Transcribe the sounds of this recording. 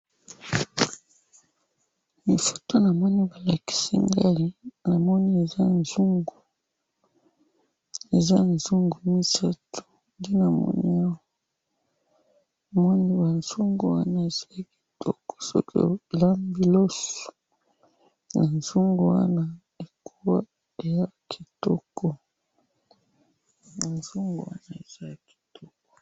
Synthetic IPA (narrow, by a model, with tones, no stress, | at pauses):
mi˨fu̥˨to˦na˨mɔ˦ni˦ba˨la˨ki̥˨si˦ŋɡa˦li˦na˨mɔ˦ni˦e˨za˦nzu˦ŋɡu˨ | e˨za˦nzu˦ŋɡu˨mi˦sa˦tʰo̥˨ | nde˦na˨mɔ̰˦nḭ˦a˦wa˦˨ | mɔ˦ni˦ba˨nzu˦ŋɡo˨wa˦na˦e˨z̥a˦˨ki̥˨tʰɔ˦kɔ̥˨so̰˦kʰo̰˦la˦mbi˦lo˦so̥˨ | na˨nzu˦ŋɡo˨wa̰˦na˦ | e˨kʰu˦wa˦ | e˨ja˦˨kʰi˨tɔ˦kʰɔ˨ | na˨nzu˦ŋɡṵ˨wa̰˦na˨e˨za˦a˨ki̥˨tɔ˦kɔ̥˨